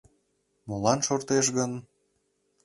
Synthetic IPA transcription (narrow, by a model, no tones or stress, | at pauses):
molɑnʃort̪eʃ̬ɣən